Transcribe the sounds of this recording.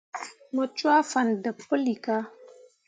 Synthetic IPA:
mə˨t͡ʃwa˦fa˨ndə˨pə˦li˨ka˦

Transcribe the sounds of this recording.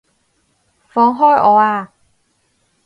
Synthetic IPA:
fɔː˨˧ŋɦɔː˥˩jʔɔː˨˧˦aː˧

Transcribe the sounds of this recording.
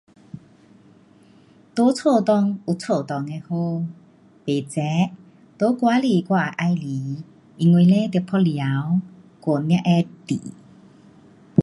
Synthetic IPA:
t̪o˧˦t͡sʰo˥˧˨t̪ɔ˥˧ŋu˨˧˨t͡sʰo˥˧˨t̪ɔ˧˨ŋe˧ho˧ | pe˨˩t͡sɛ˨˦ | t̪o˧˦kwa˨˦li˧˨kwa˥˧˨ʔa˧jli˨˦ | i˧ŋwe˧le˦t̪pʰɔ˦lja˨˦w | ko˨˩nnjã˧ʔɛ˧t̪ḭ˨

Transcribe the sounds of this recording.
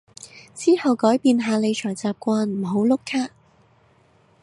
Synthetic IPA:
t͡siː˥hɐ˨wkɔː˨˥jpiː˧nɦaː˧le˨˧jt͡ʃʰɔː˨˩jt͡saː˨p̚kʷaː˧nm̩˨˩ɦo˨˥wlʊ˥kʰːaː˥

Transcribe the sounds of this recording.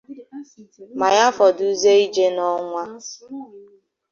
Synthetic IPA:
ma˨ja˦fɔ˨du˦ze˦i˦d͡ʒe˦nɔ˦ŋʷa˦

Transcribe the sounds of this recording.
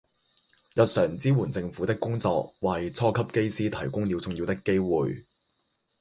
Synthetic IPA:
jɐ˨t̚sœː˨˩ŋt͡siː˥wu˨˩nt͡sɪ˧ŋfu˨˥t̪ɪ˥kːʊ˥ŋt͡sɔ̰ː˧k̚wɐː˨jt͡sʰɔː˥kʰɐ˥p̚ke˥jsiː˥t̪ʰɐ˨˩jkʊ˥ŋliː˨˧wt͡sʊ˨ŋji˧wt̪ɪ˥kːe˥jwuː˨j

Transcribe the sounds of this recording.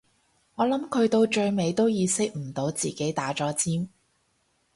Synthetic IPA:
ŋɔː˨˧lɐ˨˥mkʰɵ˨˧ɥt̪o˧wt͡ʃɵ˧ɥme˨˧jt̪o˥wjiː˨˧sɪ˥k̚m̩˨˩t̪o˨˧wt͡siː˨˩ke˨˥jt̪aː˨˥t͡ʃɔː˨˥t͡siː˥m

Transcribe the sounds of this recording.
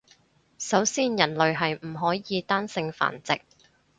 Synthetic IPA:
sɐ˨˥wsiː˥njɐ˨˩nlɵ˨ɥɦɐ˨jm̩˨˩ɦɔː˨˥jiː˨˧t̪aː˥nsɪ˧ŋfa̰ː˨˩nt͡sɪ˨k̚

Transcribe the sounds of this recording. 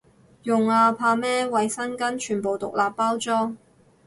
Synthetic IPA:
jʊ˨ŋaː˧pʰaː˧mɛː˥wɐ˨jsɐ˥nkɐ˥nt͡ʃʰyː˨˩npo˨wt̪ʊ̰˨k̚laː˨pːaː˥wt͡sɔː˥ŋ

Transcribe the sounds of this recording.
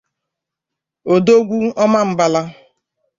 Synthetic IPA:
o˨do˦ɡʷu˦ɔ˦ma˦m̩˦ba˦la˦

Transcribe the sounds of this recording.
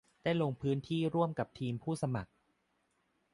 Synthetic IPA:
daː˥˩jlo˧ŋpʰɯː˦˥nt̪ʰiː˥˩ɾu˥˩əmka˨˩p̚t̪ʰiː˧mpʰuː˥˩sa˧ma˨˩k̚

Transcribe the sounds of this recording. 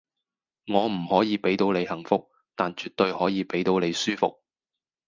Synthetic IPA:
ŋɔː˨˧m̩˨˩hɔː˨˥jiː˨˧pe˨˥jt̪o˨˧wle˨˧jhɐ˨˩ŋfʊ˧k̚ | t̪aː˨nt͡ʃy˨t̚t̪ɵ˧ɥhɔː˨˥jiː˨˧pe˨˥jt̪o˨˧wne˨˧jsyː˥fʊ̰˨k̚

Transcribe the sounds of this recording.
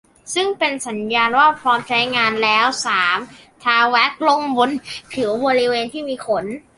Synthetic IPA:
sɯ˥˩ŋpe˧nsa˩˦njaː˧nwaː˥˩pʰɾɔː˧˥mt͡ɕʰa˦˥jŋaː˧nlɛː˦˥wsaː˩˦mt̪ʰaː˧wɛ˦˥k̚lo˧˩ŋbu˧nt̪ʰɯ˩˦wboː˧ɾi˦˥weː˧nt̪ʰiː˥˩miː˧kʰo˩˦n

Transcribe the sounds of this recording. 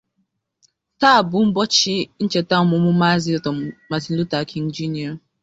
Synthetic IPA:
ta˦˨bʊ˨m̩˦bɔ˦t͡ʃɪ˦n̩˦t͡ʃe˨ta˦˨mʊ˨˦mʊ˦ma˦zi˦ɔ˨tɔ˨ma˨zi˨n̩˦lu˦ta˨kʰi˨n̩˦d͡ʒi˦ni˨˦a˨

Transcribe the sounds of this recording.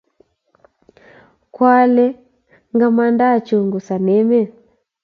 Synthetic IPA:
kwa˦lɛ˦ | ŋɡa˨ma˦nda˦˨t͡ʃu˨ŋɡu˨sa˨nɛ˦mɛ˦˨

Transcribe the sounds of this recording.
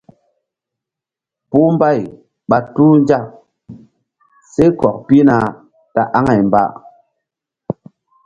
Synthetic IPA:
pu˦m˦ba˦˨j | ɓa˨tu˦n˦d͡ʒa˦˨ʔ | se˦kɔ˨k̚pi˦na˧ | ta˦ʔa˦ŋa˨jmba̰˦ʔ

